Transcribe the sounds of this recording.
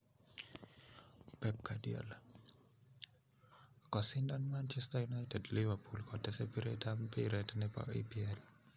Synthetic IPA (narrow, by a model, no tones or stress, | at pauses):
pɛp̚kʰadiɔ̰l | kɔsɪndanmant͡ʃɛstajunajtɛdlivapʰulkɔdɛsɛpiɾetampiɾɛtnɛpa̰ʔḛpiɛl